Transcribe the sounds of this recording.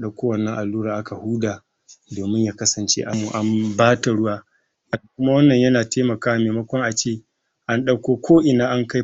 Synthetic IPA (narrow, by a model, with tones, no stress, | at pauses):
ɗɐ˦kʷoː˦wɐ˨nːɐ˦ŋʔa˨lːuː˦ɾaː˨ʔa˦ka˨huː˦daː˨ | doː˨mɪ˦ɲjaː˦˨kɐ˦sɐ˨nt͡ʃḛː˦ʔa˦mːu˨ʔa˦mbaː˦ta˨ɽʊ˦waː˦ | ʔa˨a˨kʷʊ˦ma˦wɐ˦nːɐ˨ɲjɐ˦naː˨teː˦mɐ˨kaː˦wa˦meː˨mɐ˦kʷɔ˦ŋʔa˨t͡ʃeː˦˨ | ʔa˦nɗɐ˦kʷoː˦kʷʰoː˦ʔɪ˨naː˦ʔa˦ŋka˦